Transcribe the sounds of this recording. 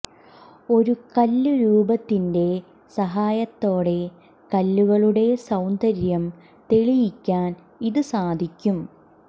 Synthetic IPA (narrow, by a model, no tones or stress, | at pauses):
o̞ɾukɐlːuɾuːbɐt̪ːinde̞ | sɐɦaːjɐt̪ːo̞ːɽe̞ | kɐlːuɣɐɭuɽe̞sɐwnd̪ɐɾjɐm | t̪e̞ɭijikʲːaːn | iðɨsaːd̪ʱikʲːum